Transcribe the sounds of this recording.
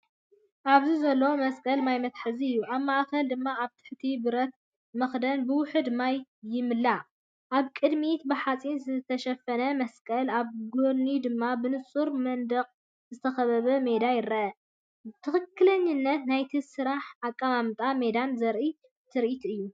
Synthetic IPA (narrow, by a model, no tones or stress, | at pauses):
ʔaβzizɐlːɐwomɐskʼɐlmajmɐt̪ħɨziɨjːuʔaβmaʔkʰɐld̪ɨmːaaβt̪ʰɨ̥ħt̪ʰibɨɾɐt̪ | mɐxd̪ɐnbɨwʊħɨd̪majːɪmɨlːa | ʔaβkʼɨd̪mit̪bɨħat͡sʼinzɨt̪ʰɐʃɐfɐnɐmɐskʼɐlaβɡonːid̪ɨmːabɨnɨsʼuɾmɐnd̪ɐqʼ | zɨt̪ʰɐxɐβɐβɐme̞d̪ajɪɾɐʔɐ | t̪ʰɨxɨkːɨlɐɲːɨnːɐt̪najt̪ʰisɨɾaħakʼːamamt̪ʼamed̪anzɐɾʔi | t̪ʰɨɾʔit̪ɨjːu